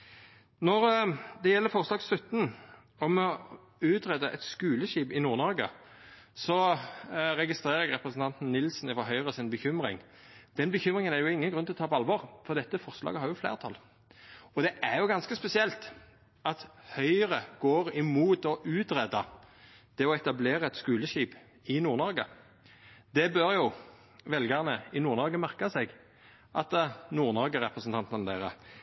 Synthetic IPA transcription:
nɔʁd̪ɛjɛlːəfɔʁslɑːɡslʉt̪ːn̩ | ɔmɔ | ʉːt̪ʁɛd̪ɑʔɛt̪skʉːləʃiːbɪnuːʁnɔɾɡə̰ | sɔ | ɾɛɡɪst̪ɾʁeːɾəɛɡʁɛpɾəsn̩t̪ɑnt̪n̩nɪlsn̩ɪfɔɦœʏʁəsɪnbəçʏmʁɪ̰ŋ | d̪̥ɛnbəçʉmʁɪŋənæʁjʊɪŋːənɡɾʉnt̪ɪlɔt̪ʰɑːpʰɔɑlʋɔʁfɔʁd̪ɛt̪ːəfɔʁslɑ̰ːɡəhɑɾjʊflḛːʁt̪ʰɑ̰l | ɔd̪ɛʔæʁjʊɡɑnskəspɛsɪɛlt̪ | ɑt̪hœʏʁəɡ̥oːʁɪmuːt̪ɔʔʉːt̪ʁɛd̪ɑ | t̪ʰɛɔɛt̪ɑbleːʁɑɛt̪skʉːləʃiːp | ɪnuːʁnɔɾɡə | d̪ɛbøɾjʊ | ʋɛlɡəʁnəɪnuːʁnɔɾɡəmæʁkɑsɛɡ | ʔɑt̪nuːʁnɔʁɡəʁɛpʁəsənt̪ʰɑnt̪ɑnlæɪʁə̰

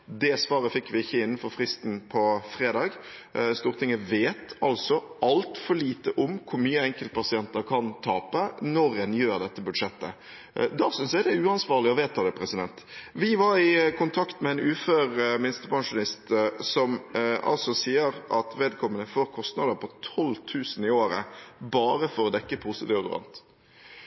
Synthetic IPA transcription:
d̪ɛsʋɑːɾəfɪkːʋɪɪçːəɪnːnfɔɾfɾɪst̪n̩pʰɔfɾeːd̪ɑːɡst̪uːʁt̪ʰɪŋːəʋeːt̪ɑlsɔʔɑlt̪fɔɭiːt̪əʔʊmkʰʊɾmyːəɛŋkəlt̪̚pʰɑsɪɛnt̪əɾkʰɑnt̪ʰɑːpənɔɾɛnjøːɾd̪ɛt̪ːəbʉd̪ʂɛt̪ːə̰ | d̪ɑːsʏnsæd̪ɛʉːɑnsʋɑːʁlɪɔʋeːt̪ʰːɑːd̪ɛpʰɾɛsɪd̪ɛnt̪ | ʋɪʋɑɾɪkʰʊnt̪ʰɑkt̪mɛɛːnʉːføːɾmɪnɪst̪əpʰɑŋʂʊnɪst̪sɔmʔɑ̰lsɔsiːəɾɑt̪ʋeːd̪̚kʰɔmːənəfoːɾkʰɔst̪nɑd̪əɾpʰɔt̪ʰɔlːt̪ʰʉːsənɪoːɾə̰bɑːɾəfɔɾɔd̪ɛkːəpʰʊsɪt̪ɪːʋd̪ɾɑ̰nt̪

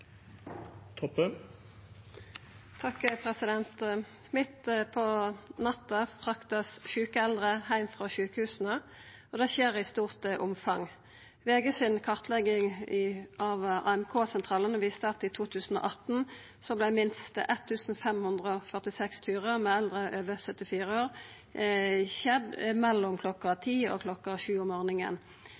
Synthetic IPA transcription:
t̪ʰɔpːə | t̪ʰɑkpʰʁɛsɪd̪ɛnt̪ | mɪt̪pʰɔnɑt̪ːəfʁɑkt̪əsʃʉːkəɛld̪ʁəhæɪmfʁɑːʃʉːkəhʉːsən̩ə | od̪ɛʃeːʁɪst̪uːʁt̪əʔʊmfɑŋ | ʋeːɡəsɪnkʰɑʁt̪ʰlɛɡɪŋ | ʔɑʋɑ̰ːɛmkʰoːsɛnt̪ʰʁɑːlənəʋiːst̪əɑt̪ɪt̪ʰuːt̪ʰʉːsn̩o̰ʔɑt̪n̩ | sɔblæɪmɪnst̪ə̰ʔɛt̪ʰːʉːsn̩fɛmhʉnd̪ʁəɔfœʁt̪ɪsɛkst̪ʰyːʁəmɛːɛld̪ʁəʔøːʋəsœt̪ːɪfiːʁəoːʁ | çɛd̪mɛlːʊmkʰlɔkɑt̪ʰiːo̰kʰlɔkːɑʃʉːɔmoːʁnɪŋə̰n

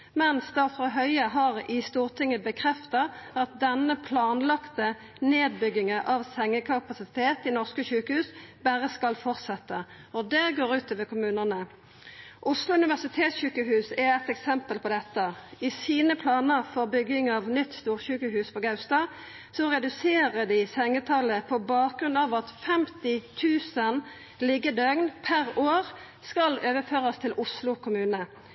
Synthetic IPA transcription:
mɛnsd̪æʁfʁɑɦœʏəɦɑʁɪst̪uːʁt̪ʰɪŋːəbəkʰɾɛft̪ɑɑt̪̚d̪ɛnːəpʰlɑːnlɑkt̪ə | neːd̪̚bʏɡɪŋəʔɑʋsɛŋːəkʰɑpɑsɪt̪ʰeːt̪ɪnɔʁskəɕʉːkəhʉːsbæʁəskɑlfɔʁt̪sɛt̪ːə | ɔd̪ɛɡoːʁʉːt̪ɔʋɛkʰʊmʉːnənə | ʔʊslʊʉnɪʋæʁsɪt̪ʰeːt̪sɕʉːkəɦʉːsɛæt̪ɛksɛmpəlpʰɔd̪ɛt̪ːəɪsiːnəpʰlɑːnəʁfɔʁbʏɡɪŋɑːʋnʏt̪ːst̪uːʁçʉːkəhʉːspʰɔɡɑʉst̪ɑː | sɔʁɛd̪ʉseːʁəd̪ɪsɛŋːət̪ʰɑləpʰɔbɑːk̚ɡɾʉnɑːʋɑt̪fɛmt̪ɪt̪ʰʉːsən | lɪɡəd̪œɡnpʰæʁoːʁ | skɑløːʋəføːʁəst̪ʰɪlʔʊslʊkʰʊmʉːnə

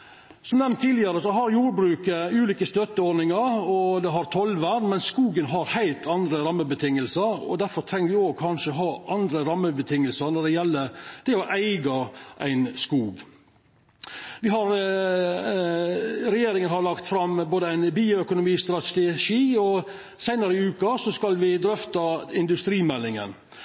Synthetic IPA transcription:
sɔmnɛmnt̪ʰːiːlɪəɾəsɔɦɑɾjuːɾbɾʉːkəʉːliːkəst̪œt̪ːəɔɾnɪŋɑɾɔd̪ɛɦɑɾt̪ʰɔlʋæːɾmɛnskuːɡənɦɑɾhæɪlt̪ʰɑnd̪ɾəɾɑmːəbət̪ʰɪŋːəlsəɾɔ̰d̪æɾfɔɾt̪ʰɾɛŋːəɾʋɪoːɡ̚kʰɑnʂəɔɦɑːʔɑnd̪ɾəɾɑmːəbət̪ʰɪŋːəlsənɔɖɛjɛlːəd̪̥ɛɔʔæɪɡɑʔæ̰ɪnskuːɡ | ʋɪɦɑɾ | ɾɛjeːɾɪŋənhɑɾɭɑkt̪fɾɑmboːd̪əæɪnbiːʊœkʊnʊmiːst̪ɾɑt̪ɛʂiːɔ | sæɪnɑɾəɪʉːkɑsɔskɑlʋɪd̪ɾœft̪ɑɪnd̪ʉst̪ɾiːmɛlːɪŋə̰n

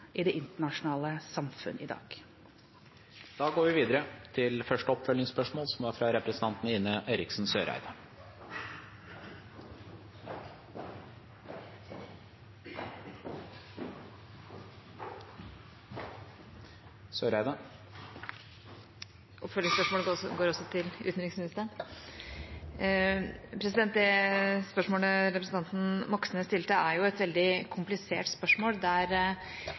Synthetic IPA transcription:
ʔɪd̪ɛʔɪnt̪əɳɑʂʊnɑːləsɑmfʉ̰nəʔɪd̪ɑ̰ːɡ̥ | d̪̥ɑːɡoːɾʋɪʋiːd̪əɾət̪ʰɪlfœʂʈəɔpfœlːɪŋspœʂmoːlsɔmʋɑːɾfɾɑɾɛpɾɛsn̩t̪ʰɑnt̪nəɪnːəʔeɪɾɪksn̩søːɾæ̰ɪd̪ə | sɔɾæɪd̪ɑ | ʔɔpfœlɪŋspœʂmoːəɡoːɾɔsːɔt̪ʰɪlʉ̰t̪nɾɪŋsmɪnɪst̪ən | pʰɾɛs̬ɪd̪ɛnt̪̚d̪ɛspœʂmoːləɾɛpɾsn̩t̪ɑnt̪n̩mɔksənəst̪ɪlt̪əæɾjʊɛt̪ʋɛld̪ɪkʰʊmplɪsḛːʈspœʂmoːld̪æɾ

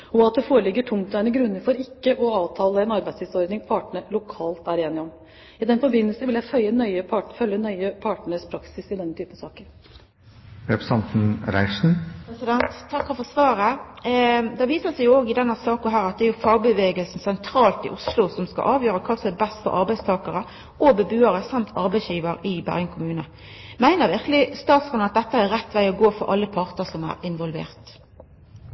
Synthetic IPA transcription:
ɔɑt̪̚d̪ɛfoːɾəlɪɡːəʈʰʊmt̪d̪æɪnəɡɾʉnːəɾfɔɾɪkːəʔɔɑːʋt̪ʰɑːləɛnɑɾbæɪsɪsɔɾd̪nɪŋpʰɑːʈəɳəlʊkʰɑːlt̪æɾeːnɪɔm | ɪd̪ɛnfɔɾbɪnːəlsəʋɪljæɪfœʏənœʏəpʰɑfœljənœʏəpʰɑːʈɳəspʰɾɑksɪsɪd̪ɛnːət̪ʰyːpənsɑːkəɾ | ɾɛpɾsɑnt̪n̩ɾæ̰ɪʂn̩pɾɛsɪd̪ɛnt̪ʰːɑkːɑfɔsʋɑːɾə | d̪ɛʋiːsəsɛɪjʊoːɡɪd̪ɛnːəsɑːknɦæːɾɑt̪̚d̪ɛæɾjʊfɑːɡbəʋeːɡəlsn̩sɛnt̪ʰɾɑːlt̪ɪ̰ʔʊslʊsɔmskɑ̰ʔɑːʋjøːɾəkʰɑːsɔmæbɛst̪fɔ̰ɾʔɑ̰ɾbæɪst̪ʰɑːkəɾə | ʔɔbəbʉːəɾəsɑmt̪ʰɑɾbæɪsjiːʋəɾɪbæ̰ʁjəŋkʰʊmʉːnə | mæɪnəʁʋɪʁkəlɪst̪ɑːt̪sɑnɑt̪̚d̪ɛt̪ːəæɾɛt̪ːʋæɪɔɡoːfɔ̰ɾʔɑ̰lːəpʰɑʁt̪əsɔmæ̰ːɾɪnʋɔlʋḛːʁt̪

